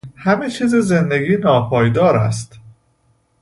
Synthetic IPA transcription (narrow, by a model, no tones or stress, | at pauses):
hæmet͡ʃʰiːzezend̪e̞ɡiːnɒːpʰɒːjd̪ɒːɾæ̰st̪